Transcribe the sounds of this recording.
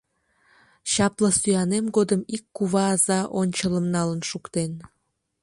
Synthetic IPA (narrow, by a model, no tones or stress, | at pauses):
ɕɑplɑsyɑnemɡod̪əmikːuβɑːzɑʔonʲt͡ɕələmnɑlənʃukt̪en